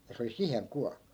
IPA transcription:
jɑ se oli siheŋ ku

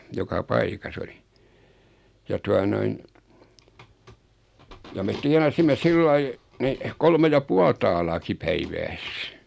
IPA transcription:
jokɑ pɑikɑs oli jɑ tuɑ noin jɑ met tiɑnɑsimːe silːɑi nih kolme jɑ puɑl tɑːlɑːki pæiʋæːs

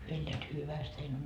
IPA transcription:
hyø elːeæt hyʋæst hein

